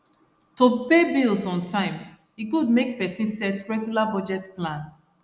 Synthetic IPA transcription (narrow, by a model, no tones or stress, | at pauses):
topebilsɔ̃ntãɪ̃m | iɡud̚mek̚pɛsĩnsɛtɹɛɡjulabɔd͡ʒɛtplãn